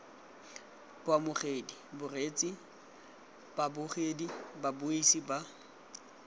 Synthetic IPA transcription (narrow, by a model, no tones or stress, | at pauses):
b̥wamʊχeːdibʊret͡sʼi | b̥abʊχedibabʊisiba